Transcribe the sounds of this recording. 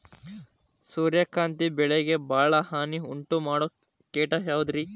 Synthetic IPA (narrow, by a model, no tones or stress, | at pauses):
suːɾjɐkaːnt̪ibɛɭeɡebʱaːɭɐɦaːniuɳʈumaːɽo | keːʈaɦjaːʋud̪ɾi